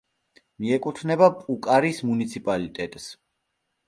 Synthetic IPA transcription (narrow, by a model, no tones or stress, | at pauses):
miɛkʼut̪ʰnɛbapʼukʼaɾismunit̪sʰipʼalit̪ʼɛt̪ʼs